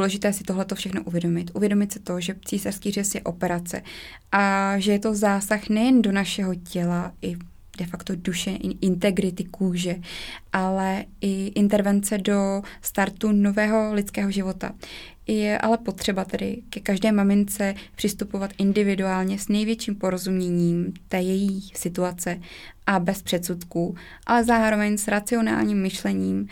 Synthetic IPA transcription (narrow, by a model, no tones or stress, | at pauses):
uːlɛʒɪt̪ɛːsɪ̥t̪o̞ɦlɛt̪o̞fʃɛxno̞ʔuvjɛdo̞mɪt̪ʔuvjɛdo̞mɪt̪sɪ̥t̪o̞ʒɛt͡siːsar̥skiːr̝ɛsjɛʔo̞pɛɾat͡sɛ̰ | ʔaʒɛjɛt̪o̞zaːsaxnɛjɛndo̞naʃɛɦo̞cɛlaʔɪ | dɛfakt̪o̞duʃɛʔɪnt̪ɛɡɾɪt̪ɪkuːʒɛʔalɛɪʔɪnt̪ɛɾvɛnt͡sɛdo̞st̪aɾt̪uno̞vɛːɦo̞lɪt̪t͡skɛːɦo̞ʒɪvo̞t̪a̰ | jɛʔa̰lɛpo̞t̪r̥ɛbat̪ɛdɪ̰kɛkaʒdɛːmamɪnt͡sɛpr̝̥ɪst̪upo̞vat̪ʔɪndɪvɪduaːlɲɛsnɛjvjɛt͡ʃiːmpo̞ɾo̞zumɲɛɲiːmt̪ɛːjɛjiːsɪt̪uat͡sɛʔabɛspr̥ɛt̪sut̪kuː | ʔa̰lɛzaːɾo̞vɛɲsɾat͡sɪo̞na̰ːlɲiːmːɪʃlɛɲiːm